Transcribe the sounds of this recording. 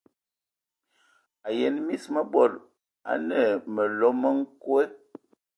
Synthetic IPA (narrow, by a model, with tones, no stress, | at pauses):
a˨jɛ˨nmi˦smə˦bɔ˨l̚ | a̰˨nə˨mə˨lɔ˦mə˦ŋ̩˦kwe˦